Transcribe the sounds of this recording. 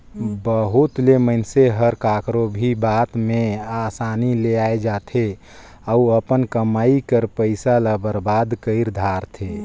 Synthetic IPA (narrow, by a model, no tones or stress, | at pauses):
bəɦut̪lemənseɦəɾkakɾobʱibat̪measanileaed͡ʒat̪ʰe | auəpənkəmaːikəɾpəɪsalabəɾbad̪kəɪɾd̪ʱaɾt̪ʰe